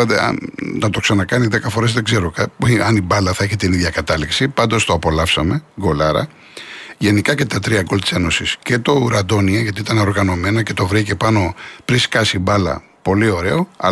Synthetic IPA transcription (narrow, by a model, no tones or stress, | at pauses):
ɐt̪ḛɐ̰nɐt̪o̞ksɐnɐkɐniðe̞kɐfo̞ɾe̞zðe̞ɡze̞ɾokɐɐnibɐlɐθɐeçet̪iniðʝɐkɐt̪ɐliksipɐnd̪o̞st̪o̞ɐpo̞lɐfsɐme̞ɡo̞lɐɾɐ̰ | ʝe̞nikɐce̞t̪ɐt̪ɾiɐɡolt̪i̥se̞no̞sisce̞t̪o̞uɾɐd̪o̞niɐʝɐt̪iit̪ɐneo̞ɾɣɐno̞me̞nɐce̞t̪o̞vɾice̞pɐno̞pɾiskɐsibɐlɐ̰ | po̞lio̞ɾe̞o̞ɐ̰